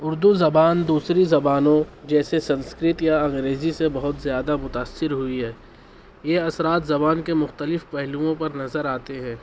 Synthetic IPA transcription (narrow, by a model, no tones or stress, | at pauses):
ʊɾd̪uzɐbaːnd̪uːsɾizɐbaːnõd͡ʒɛːsesɐ̃nskɾɪt̪jaɐ̃ŋɡɾeːzisebɐɦʊt̪zjaːd̪amʊt̪aːsːɪɾɦʊiɦɛː | jeɐsɾaːt̪zɐbaːnkemʊxt̪əlɪfpɛɦluõpɐɾnɐzəɾaːt̪eɦɛ̃ː